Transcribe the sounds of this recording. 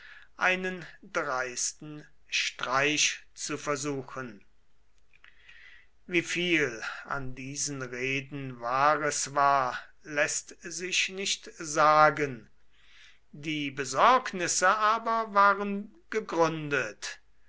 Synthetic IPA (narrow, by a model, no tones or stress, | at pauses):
ʔaɪnəndʁaɪstn̩ | ʃtʁ̥aɪʃt͡sufɛɐzuːxən | viːfiːlʔa̰ndiːzənʁeːdn̩vaːʁəsvaːɐ | lɛstzɪʃnɪʃtzaːɡən | diːbəzɔɐknɪsəʔaːbɐvaːʁən | ɡ̥əɡʁʏndət